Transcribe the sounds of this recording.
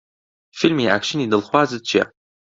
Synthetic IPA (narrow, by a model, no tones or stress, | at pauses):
filmiʔa̰ːkʃɪnidɨlχʷaːzɨt͡ʃʰa̰